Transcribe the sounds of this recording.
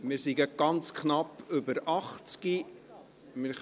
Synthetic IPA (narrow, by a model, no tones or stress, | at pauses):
mɪːɾsiɡəɡ̥ɑnt͡skχnɑpɵbəɾɑχt͡ski | mɪɾ